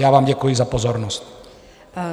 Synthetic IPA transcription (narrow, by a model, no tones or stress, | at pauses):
jaːʋaːmɟakujizapɔzɔɾnɔsc